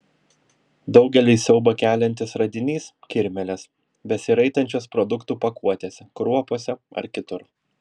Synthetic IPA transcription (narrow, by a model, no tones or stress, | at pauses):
d̪ɒʊɡʲɛlʲɪsʲɛʊbɐkʲæːlʲɛnʲt̪ʲɪsɾɐd̪ʲɪnʲiːskʲɪɾʲmʲɛlʲɛs | bʲɛsʲɪɾɐɪt̪ɐnʲt͡ʃʲoːspɾɔd̪ʊkt̪uːpɐkuɔt̪ʲeːsʲɛkɾuɔpoːsʲɛɐ̰ɾkʲɪt̪ʊɾ